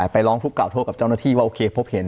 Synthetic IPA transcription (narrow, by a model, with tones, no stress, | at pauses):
a˨˩pa˧jlɔː˦˥ŋt̪ʰu˦˥kːaː˨˩wt̪ʰoː˥˩ka˨˩t͡ɕa˥˩naː˥˩t̪ʰiː˥˩waː˥˩oː˧kʰeː˧pʰo˦˥p̚he˨˩˦n